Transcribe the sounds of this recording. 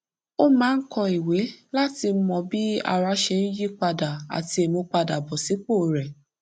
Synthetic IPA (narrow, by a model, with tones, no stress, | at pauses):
o˦mãː˨˦n̩˦kɔ˧i˨we˨˦la˦ti˧˦mɔ̃˧bi˦a̰˧ɾa˧ʃe˧n̩˦ji˦k͡pa˧da˨a̰˨ti˧e˨mõ˧k͡pa˧da˨bɔ˨si˨˦k͡po˦˨ɾɛ˨